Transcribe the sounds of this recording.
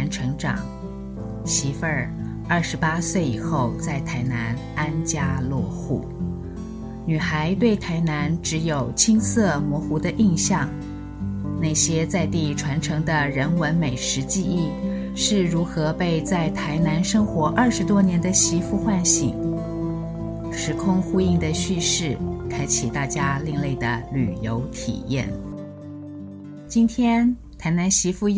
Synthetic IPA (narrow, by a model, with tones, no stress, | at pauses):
nʈ͡ʂʰɤ˧˥ŋʈ͡ʂɑ̰˨˩˦ŋ | ɕi˧˥fə˥ | ɐ˞˥˩ʂɻ̩˧˥pa˥swe˥˩ɪi˨˩xo˥˧ʊt͡sa˥˩ɪt̪ʰa˧˥ɪna˧˥n | a˥nt͡ɕja˥lwɔ̰˥˧xṵ˥˩ | ny˨˩xa˧˥ɪt̪we˥˩ɪt̪ʰa˧˥ɪna˧˥nʈ͡ʂɻ̩˧˥jo˨˩ʊt͡ɕʰi˥ŋsʰɤ˥˩mwɔ˧˥xu˧˥d̪ə˧ʔi˥˧nɕjɑ˥˩ŋ | na˥˩ɕjɛ˥t͡sa˥˧ɪt̪i˥˩ʈ͡ʂʰwa˧˥nʈ͡ʂʰɤ˧˥ŋd̪ə˧ɻə˧˥nwə˧˥nme˨˩ɪʂɻ̩˧˥t͡ɕi˥˧i˥˩ | ʂɻ̩˥˩ɻu˧˥xɤ˧˥pe˥˧ɪt͡sa˥˩ɪt̪ʰa˧˥ɪna˧˥nʂɤ˥ŋxwɔ˧˥ʔə˞˥˩ʂɻ̩˧˥t̪wɔ˥njɛ˧˥nd̪ə˧ɕi˧˥fu˥˧xwa˥˧nɕḭ˨˩ | ʂɻ̩˧˥kʰʊ˥ŋxu˥i˥˩ŋd̪ə˩ɕy˥˧ʂɻ̩˥˩kʰa˥ɪt͡ɕʰi˨˩t̪a˥˩t͡ɕja˥li˥˧ŋle˥˩ɪd̪ə˩ly̰˨˩jo˧˥ʊt̪ʰḭ˨˩jɛ̰˥˩n | t͡ɕi˥nt̪ʰjɛ˥n | t̪ʰa˧˥ɪna˧˥nɕi˧˥fu˥˩